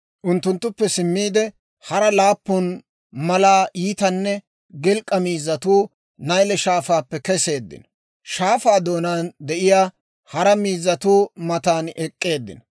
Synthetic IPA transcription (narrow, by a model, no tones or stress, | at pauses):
ʔʊnt̪ːʊnt̪ːʊpːɛsɪmːiːd̪ɛ | hɐɾɐlaːpːʊn | mɐlaːʔiːt̪ɐnːɛ | ɡɛlkʼːɐmiːzːɐt̪uː | nɐjlɛʃaːfaːpːɛkɛse̞ːd̪ːɪ̰n | ʃaːfaːd̪o̞ːnaːnd̪ɛʔɪjaː | hɐɾɐmiːzːɐt̪uːmɐt̪aːnɛkʼːe̞ːd̪ːɪ̰nɐ